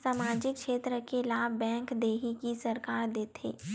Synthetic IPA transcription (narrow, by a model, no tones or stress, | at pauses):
saːmaːd͡ʒɪkʃeːt̪ɾəkelaːbbɛ̃ːŋkd̪eːɦikisɐɾkaːɾd̪eːt̪ʰḛː